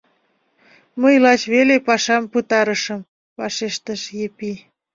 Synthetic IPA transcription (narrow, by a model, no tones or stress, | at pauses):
məjlɑt͡ɕβelepɑʃɑmpɯt̪ɑɾəʃəm | pɑʃeʃt̪əʃjepi